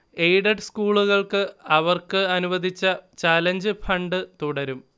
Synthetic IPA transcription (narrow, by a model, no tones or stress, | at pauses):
ejɖɐɖskuːɭuɣɐɭkɨɐʋɐrkɨɐnuʋɐd̪ʱit͡ɕːɐt͡ɕaːlɐɲd͡ʑɨfʰɐɳɖɨt̪uɽɐɾum